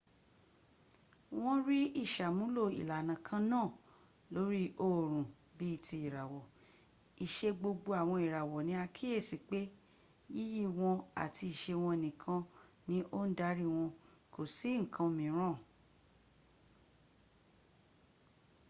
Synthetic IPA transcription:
w̃ɔ̃˦ɾi˦i˦˨ʃa˨mũ˨˦lo˦˨ḭ˨la˨nã˨kʰã˧nãː˦˨ | lo˨˦ɾi˦ʔo˦˨ɾ̃ũ˨ | bi˦i˦˨ti˧i˨ɾa˨wɔ˨ | i˨ʃe˧ɡ͡bo˧ɡ͡bo˧a˨w̃ɔ̃˧i˨ɾa˨wɔ˨nĩ˨˦a˧kʰi˦je˦˨si˨k͡pe˦ | ji˦ji˦˨w̃ɔ̃˧a̰˨ti˧i˨ʃe˧w̃ɔ̃˧e˨nĩ˨kʰã˧nĩ˦ʔo˦n̩˦da˦ɾi˦w̃ɔ̃˧ | ko˨si˨˦ŋ̩˨kʰã˧mĩ˨˦ɾ̃ã˦˨

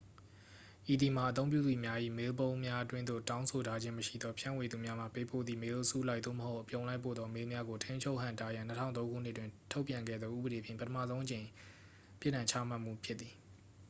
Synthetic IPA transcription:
ʔi˨d̪i˨ma˨ʔət̪õ˦ʊ̃mpjṵ˦˨d̪ði˨mja˦ʔḭ˦˨me˦lbõ˦ʊ̃mja˦twɪ̃˦nd̪o̰˦˨tã˦ʊ̃sʰo˨tʰa˦d͡ʑɪ̃˦məʃḭ˦˨d̪ɔ˦pʰjã̰˦˨we˨d̪u˨mja˦m̥a̰˦˨pe˦˨po̰˦˨d̪ðḭ˨me˦lsu˦˨la˦ɪʔ̪ðo̰˦˨məho˦ʊʔəpjõ˨ʊ̃la˦ɪpʰːo̰˦˨d̪ðɔ˦me˦mja˦ɡo˨tʰẽ˦ɲt͡ɕʰo˦ʊʔɦã˦˨nta˦jã˨nətʰã̰˦˨t̪õ˦ŋɡṵ˦˨n̥ɪ˦ʔtːwɪ̃˨ntʰo˦ʊpjã˨ŋɡɛ̰˦˨d̪ðɔ˦ʔṵ˦˨bəɾe˨pʰjɪ̃˨pətʰəmä̰˦˨zõ˦ʊ̃ʔət͡ɕẽ˨ɪ̃ | pjɪ˦ʔnã˨ɲt͡ɕʰa˦m̥a˦˨m̥ṵ˦˨pʰjɪ˦t̪t̪ːi˨

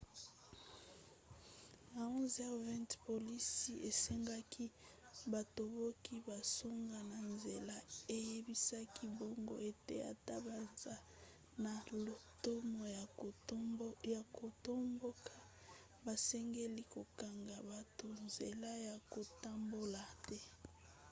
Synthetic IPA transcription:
a˨ɔ̃˦zɛ˦ʁvɛ̃˦ntpo˨li˦si˦ʔe˨sɛ˦ŋɡa˦kʰi˦ba˨to˨bo˦ki˦ba˨so˦ŋɡa˨na˨nze˨la˦e˦je˦bi˦sa˦ki˦bo˦ŋɡo̰˦e˦tḛ˦a̰˨ta˦ba˨nza˦ | na˨lo˨to˦mo˨ | ja˨ko˨to˦mbo˦kʰa˦ | ba˨sɛ˦ŋɡe˦li˦ko˨ka˨ŋɡa˨ba˨to˨nze˨la˦ja˨ko˨ta˦mbo˦la˨tɛ˦

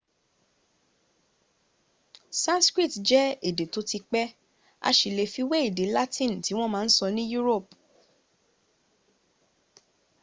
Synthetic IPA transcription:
sã˦nskɾi˦˨td͡ʒɛ˦e˦˨de˨to˨˧˦ti˧k͡pɛ˦ | a̰˧ʃi˨le˨fi˧we˦i˦˨de˨˦la˦tĩ˦˨n˨ti˨˦w̃ɔ̃˦mãː˦˧˦n̩˦sɔ˧nĩ˦ju˦ɾo˦˨p̚

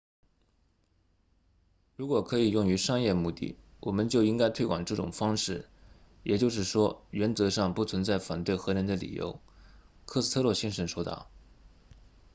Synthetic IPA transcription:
ɻu˧˥kwɔ˨˩kʰɤ˧˥i˨˩jʊ˥˩ŋy˧˥ʂɑ˥ŋjɛ˥˧mu˥˧t̪ḭ˥˩wɔ˨˩mə˧˦nt͡ɕjo˥˧ʊi˥ŋka˥ɪt̪ʰwe˥ɪkwa˨˩nʈ͡ʂɤ˥˩ʈ͡ʂʊ̰˨˩ŋfɑ˥ŋʂɻ̩˥˩ | jʔɛ˨˩t͡ɕjo˥˧ʊʂ̬ɻ̩˥˩ʂwɔ˥ɥɛ˧˥nt͡sɤ˧˥ʂɑ˥˧ŋpu˥˩t͡sʰwə˧˥nt͡sa˥˩ɪfa˨˩nt̪we˥˩ɪxɤ˧˥nə˧˥nd̪ə˧lḭ˨˩jo̰˧˥ʊ | kʰɤ˥t͡sɹ̩˥˩t̪ʰɤ˥lwɔ˥˩ɕi˥ŋʂə˧˥nʂwɔ˥t̪ɑ̰˥˩

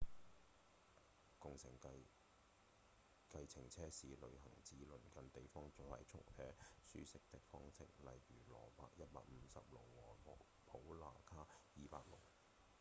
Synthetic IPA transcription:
kʊ˨ŋsɪ̰˨˩ŋ | kɐ˧jt͡sʰɪ˨˩ŋt͡sʰɛː˥siː˨lɵ̰˨˧ɥɦɐ˨˩ŋt͡siː˨˧lɵ˨˩nkɐ˨nt̪e˨jfɔː˥ŋt͡so˨˧hɐ̰˨˩jt͡ʃʰʊ̰˥k̚t̪ʰɛː˥sy̰ː˥sɪ˥k̚t̪ɪ˥k̚fɔː˥ŋsʰɪ˥k̚lɐ˨jːyː˨˩lɔ̰ː˨˩paː˧k̚jɐ˥t̚pa̰ː˧k̚m̩˨˧sɐ˨p̚lʊ˨k̚wɔː˨˩ɔ˨ | pʰo˨˥wlaː˨kʰaː˥jiː˨˧pa̰ː˧k̚lʊ̰˨k̚

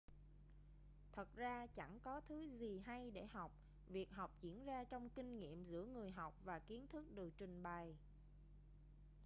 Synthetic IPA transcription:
t̪ʰə˨˩t̚zaː˧t͡ɕa˧˩ŋkɔ˨˦t̪ʰɨ˨˦zi˨˩ɦa˧jɗe˧˩ɦa˨˩wk͡p̚ | vi˨˩ək̚ɦa˨˩wk͡p̚zḭ˧˩ənzaː˧t͡ɕɔ˧wŋ͡mki˧ŋ̟ŋḭ˧˨əmzɨ̰˧˥əŋɨ˨˩əjɦa˨˩wk͡p̚vaː˨˩ki˨˦ənt̪ʰɨ˦˥k̚ɗɨ˨˩ək̚t͡ɕwï˨˩ŋɓa˨˩j

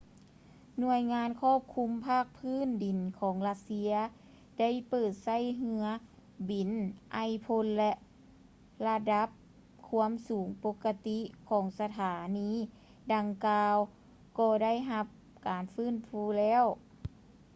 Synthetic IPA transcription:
nu˧əjŋaː˧˥nkʰɔː˥˩p̚kʰu˧˥mpʰaː˥˩k̚pʰɯː˧˥˨ndi˨˩nkʰɔː˨˦ŋla˧t̪̚si˧ɐ | da˥˩˨jpɤː˨˩t̪̚sa˥˨jɦɯ˧ɐ | bi˨˩nʔa˧˩jpʰo˧˥nlɛ˧ʔ | la˧da˧˥p̚ | kʰu˧˥˧əmsuː˨˩˦ŋpo˧˥kːa˧t̪i˧˥kʰɔː˩˦ŋsa˧t̪ʰaː˨˩˦niː˧˥ | da˨˧ŋkaː˧w | kɔː˧˩da˥˨jɦa˧p̚ | kaː˨˩nfɯː˥˩˨nfuː˧˦lɛː˧˥˨w

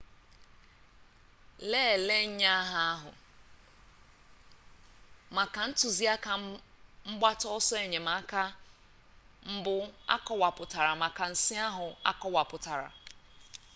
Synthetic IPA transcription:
leː˦˨le˦ɲ̩˦ɲa˦ɦa˦a˦ɦʊ̰˨ | ma˨ka˨n̩˦tu˨zi˦a˦ka˨m̩˦ɡ͡ba˦tɔ˦ɔ˦sɔ˦e˨ɲe˨ma˨a˦ka˦ | m̩˦bʊ˦a̰˦kɔ˦wa˨pʊ˨ta˨ɾa˨ma˨ka˨n̩˨si˦a˦ɦʊ˨a̰˦kɔ˦wa˨pʊ˨ta˨ɾa̰˨

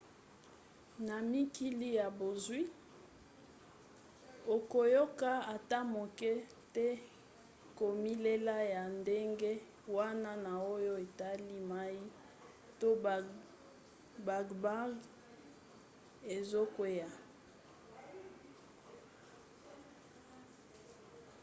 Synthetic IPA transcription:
na˨mi˦ki˦li˦ja˨bo˨zwi˦ | o˨ko˨jo˦ka˦a˨ta˦mo˨kɛ˦ | te˦ | ko˨mi˦le˦la˦ja˨nde˦ŋɡe˦ | wa˦na˦na˨o˦jo˦e˨ta˦li˦ma˦i˦ | to˦ | ba˨ɡba˦ɡ | e˨zo˦kwe˦ja˨

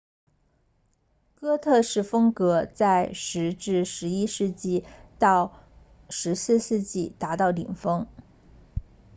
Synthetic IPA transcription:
kɤ˥t̪ʰɤ˥˧ʂɻ̩˥˩fɤ˥ŋkɤ˧˥t͡sa˥˧ɪʂɻ̩˧˥ʈ͡ʂɻ̩˥˩ʂɻ̩˧˥i˥ʂɻ̩˥˧t͡ɕi˥˧t̪ɑ˥˩ʊ | ʂɻ̩˧˥sɹ̩˥˧sɹ̩˥˧t͡ɕi˥˩t̪a˧˥t̪ɑ˥˩ʊlḭ˨˩ŋfɤ˥ŋ

